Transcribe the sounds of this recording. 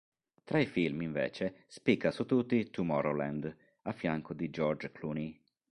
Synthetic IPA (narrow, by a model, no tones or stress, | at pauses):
t̪ɾaifilmiɱvḛːt͡ʃespikːasut̪ːut̪ːit̪umɔɾolɛnd̪ | afːjaŋkod̪id͡ʒɔɾd͡ʒkʰluni